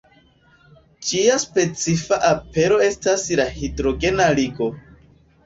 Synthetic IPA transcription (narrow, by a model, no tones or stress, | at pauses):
t͡ʃiaspe̞t͡sifaʔape̞ɾo̞e̞staslahidɾo̞ɡe̞naliɡo̞